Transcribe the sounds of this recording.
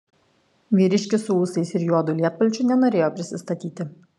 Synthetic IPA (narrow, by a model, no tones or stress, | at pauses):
ʋʲiːɾʲɪʃʲkʲɪsʊuːsɐɪsɪɾjuɔd̪ʊlʲiɛt̪̚pɐlʲt͡ʃʲʊnʲɛnoːɾʲeːjoːpʲɾʲɪsʲɪst̪ɐt̪ʲiːt̪ʲɪ